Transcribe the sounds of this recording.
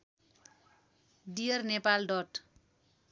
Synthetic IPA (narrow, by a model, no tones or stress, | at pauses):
ɖiʌrnepalɖɔʈ